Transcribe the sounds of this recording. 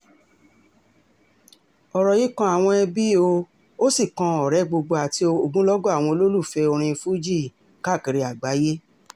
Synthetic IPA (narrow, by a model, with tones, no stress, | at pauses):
ɔ˨ɾɔ˨ji˦kã˧˦a˨w̃ɔ̃˧ɛ˧bi˦o˧ | o˦si˦˨kã˧ɔ˨ɾɛ˨˦ɡ͡bo˧ɡ͡bo˧a˨ti˧o˧o˧ɡ͡bũ˦lɔ˦ɡɔ˦a˦˨w̃ɔ̃˧o˧lo˦lu˦˨fɛ˧o˧ɾ̃ĩ˧fu˦d͡ʒi˦˨ | ka˦˨ki˨ɾi˧˦a˨ɡ͡ba˨˦je˦